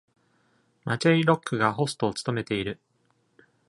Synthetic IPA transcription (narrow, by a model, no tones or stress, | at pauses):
mat͡ɕaiɾo̞kːɯ̟ɡaɦo̞sɨ̥t̪o̞ːt͡sɨ̥t̪o̞me̞t̪e̞iɾɯ̟